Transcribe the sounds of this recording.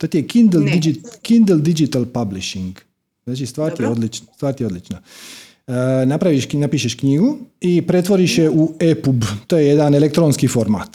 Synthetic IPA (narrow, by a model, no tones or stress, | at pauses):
t̪ot̪ijekind̪eld̪id͡ʒikind̪ld̪id͡ʒit̪alpabliʃiŋɡ | znaːt͡ʃist̪ʋaːɾt̪ijeo̞d̪lit͡ʃnst̪ʋaːɾt̪ijeo̞d̪lit͡ʃna | napɾaʋiʃnapiʃeʃkɲiɡuipɾe̞t̪ʋo̞ɾiʃeuepubt̪ojejed̪anelek̚t̪ɾonskifo̞ɾma̰ːt̪